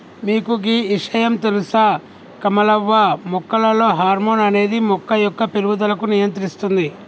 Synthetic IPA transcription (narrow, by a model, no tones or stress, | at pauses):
miːkuɡiːiʂɐjɐmt̪elusa | kɐmɐlɐʋːɐmɔkːɐlɐlo̞ːɦaːɾmoːnɐne̞ːd̪imɔkːɐjɔkːɐpeluwud̪ɐlɐkunijɐnt̪ɾist̪und̪i